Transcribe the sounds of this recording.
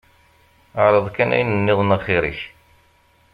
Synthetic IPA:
əʕɾˤɑðˤkænʔæ̰jnənːɪðˤnəʁχɪɾə̰ç

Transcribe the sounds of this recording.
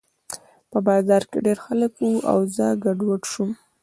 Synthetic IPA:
pəbɑzɑɾkḛɖeɾxaləkwua̰wzəɡaɖwəʈʃum

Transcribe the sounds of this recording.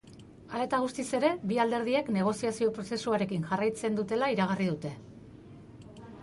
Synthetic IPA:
ale̞t̪aɣ̞ust̪ise̞ɾe̞biald̪e̞ɾðie̞kne̞ɣ̞o̞siasio̞pɾo̞se̞suaɾe̞kiŋʝarajt͡se̞nd̪ut̪e̞laiɾaɣ̞arið̞ut̪e̞

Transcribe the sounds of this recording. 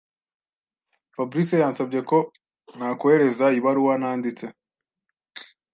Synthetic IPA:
fabɾisejaːnsabɟe̞ko̞ | nakoheɾe̞zaiβaɾuwanaːndit͡se

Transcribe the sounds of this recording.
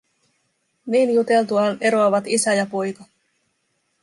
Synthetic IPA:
niːnjut̪e̞lt̪uɑne̞ɾoɑʋɑt̪isæjɑpo̞jkɑ

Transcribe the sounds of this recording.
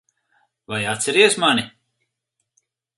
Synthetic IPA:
vajat̪sʲɛɾiɛsmani

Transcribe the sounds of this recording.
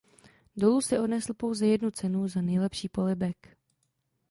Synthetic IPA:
do̞lusɪʔo̞dnɛsl̩po̞wzɛjɛdnut͡sɛnuzanɛjlɛpʃiːpo̞lɪbɛk

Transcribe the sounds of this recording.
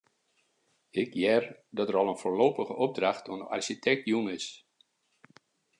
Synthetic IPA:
ɪkjɛrdɔtəɾɔlˠənfoːloːpəχəʔɔb̚draxtʰuənəʔa̰rʃitʰɛk̚tjunɪs

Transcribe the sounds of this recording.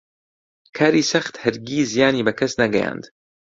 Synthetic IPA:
kʰaːɾiːsɐxt̪hɨɾɡiːzijaːniːbɐkʰɐsnɐɡɛja̰ːnd̪

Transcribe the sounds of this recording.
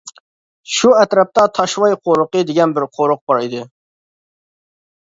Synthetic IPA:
ʃuɛt̪ɾɛp̚t̪ɑt̪ʰɑʃwɑjqʰoɾʊqɨd̪ɪɡʲɛnbɪɾqʰoɾʊq̚bɑɾid̪ɪ

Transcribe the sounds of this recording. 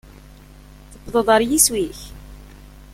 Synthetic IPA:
θəbːðˤəðˤɑɾjiswiç

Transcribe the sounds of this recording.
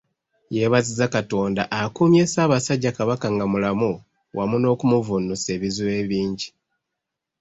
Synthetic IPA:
jeβazizakato̞ːndaʔakumje̞ːsaːβasaɟːakaβakaŋɡamulamu | wamuno̞ːkumuvunuse̞ːβizuwe̞ːβiːɲɟi

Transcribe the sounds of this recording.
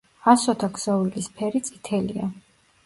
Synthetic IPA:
asɔt̪ʰakzɔwilispʰɛɾit̪sʼit̪ʰɛlia̰

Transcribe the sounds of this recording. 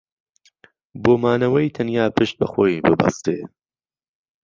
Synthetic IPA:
boːmaːnɐwɐjt̪ʰɐnjaːpʰɨʃt̪̚bɐ̰xoːjbɨbɐ̰st̪ḛ

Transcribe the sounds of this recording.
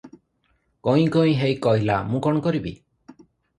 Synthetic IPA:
kɔj̃kɔĩɦejkɔɦilamũkɔ̃ɔkɔɾibḭ

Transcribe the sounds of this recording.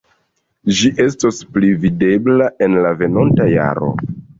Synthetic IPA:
d͡ʒiʔe̞s̬tosplivide̞blaʔe̞nlave̞no̞ntaja̰ɾo̞̰

